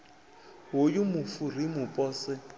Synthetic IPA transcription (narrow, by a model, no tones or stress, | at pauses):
ɦʊjʊmʊfurimʊpʼɔːsɪ